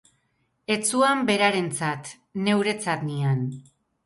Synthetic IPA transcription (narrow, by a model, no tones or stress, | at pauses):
e̞t͡suambe̞ɾaɾe̞nt͡sat̪ | ne̞wɾe̞t͡sat̪nian